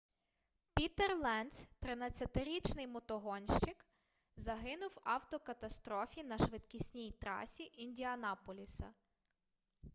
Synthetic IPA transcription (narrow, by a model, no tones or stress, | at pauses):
pʲit̪erlˠɛnst̪ɾɪnɐt͡sʲɐt̪ɪɾʲit͡ʃnɪjmɔt̪ɔɦɔnʲʃt͡ʃɪk | zɐɦɪnʊwɑwt̪ɔkɐt̪ɐst̪ɾɔfʲinɐʃʋɪd̪kʲisʲnʲijt̪ɾɑ̰sʲiʔinʲdʲiɐnɑpɔlʲisɐ̰